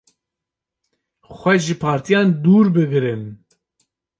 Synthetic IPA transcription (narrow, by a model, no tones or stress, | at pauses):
xʷɛʒɨpʰɑːɾt̪ʰijɑːnd̪uːɾbɨɡɨɾɨn